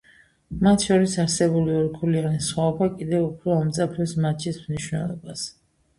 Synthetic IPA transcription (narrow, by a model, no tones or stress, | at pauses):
mat̪ʰʃɔɾisaɾsɛbuliɔɾkʰulianisχwaɔbakʼid̪ɛvupʰɾɔamt̪sʼapʰɛsmat͡ʃʰismniʃwnɛ̰lˠɔ̰bas